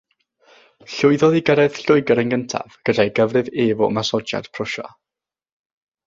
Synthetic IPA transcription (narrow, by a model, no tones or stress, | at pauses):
ɬʊɨðɔðiɡəɾɛð̥ɬʊɨɡəɾənɡəntʰa̰vɡ̥ədajɡəvrɨveːvɔmasɔd͡ʒa̰d̥pʰrʊʃa̰